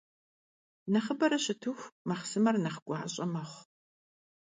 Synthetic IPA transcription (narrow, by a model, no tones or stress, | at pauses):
nɐχəbɐɾɐɕɪtʰɨxʷmɐχsɨmɐrnɐχɡʷɑːɕʼɐmɐχʷ